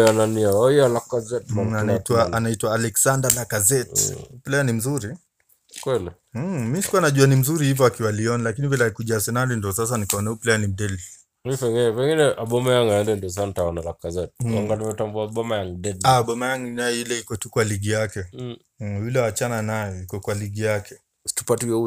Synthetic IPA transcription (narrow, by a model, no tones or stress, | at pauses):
ananiaɔialakazɛtmaanaitwaanaitwaːlɛksandanakazɛtuplɛjanim̩zuɾi | kwɛli | misi̥kuanaʄuanim̩zuɾihivɔakiwaliɔnalakinivilɛakuʄaasɛnaɾindɔsas̬anikaɔnauplɛjanim̩dɛli | ipɛɡinɛpɛŋɡinɛʔaɓɔmajaŋɡajɛndɛndiɔs̬asanitaɔnalakazɛtaŋɡanimɛtambuaɓɔmajaŋɡdɛlaɓɔmajaŋɡinajɔilɛikɔtukwaliɠijakɛ | julɛwat͡ʃananajɔikɔkwaliɠijakɛ | stupatujɔu